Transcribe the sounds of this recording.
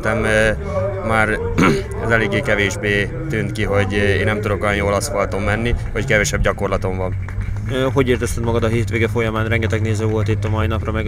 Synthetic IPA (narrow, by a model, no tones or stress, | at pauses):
t̪ɛmː | aːr | ɛ̰zɛleːɡːeːkɛveːʒbeː | t̪yːnt̪kiɦo̞ɟeːnːɛmt̪ud̪o̞ko̞jɒnjolɒsfɒlt̪o̞mːɛnːihockɛvɛʃɛb̚ɟɒko̞rlɒt̪o̞mvɒn | ɦo̞ɟeːrt̪ɛst̪ɛt̪mɒɡɒd̪ɒɦiːrt̪ʋeːɡɛfo̞jɒmaːnrɛŋɡɛt̪ɛɡneːzøːvo̞lt̪it̪ːɒmɒinɒprɒmɛɡ